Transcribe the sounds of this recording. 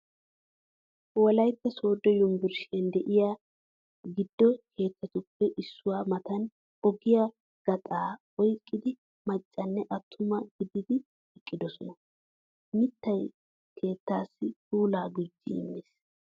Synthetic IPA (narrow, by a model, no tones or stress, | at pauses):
wɔlɐjpːɛso̞ːd̪ːɔjʊmbɪɾʃɛnd̪ɛʔɪja | ɡɪd̪ːɔkʰe̞ːt̪ːɐt̪ʊpːɛʔɪsːʊwaːmɐt̪ɐn | ɔɡɪja | ɡ̥ɐt̪ʼaː | ɔjkʼːɪd̪ɪ | mɐt͡ʃʼːɐnːɛʔɐt̪ʰːʊmɐɡ̥ɪd̪ɪd̪ɪ | ɛkʼːɪd̪ɔsɔnɐ | mɪt̪ːɐj | kʰe̞ːt̪ːaːsːɪtuːlaːɡʊd͡ʒːḭmːɪs